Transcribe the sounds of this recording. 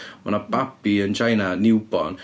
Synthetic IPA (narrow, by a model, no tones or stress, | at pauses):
ma̰nab̥abiənd͡ʒajnanɪwbɔ̰n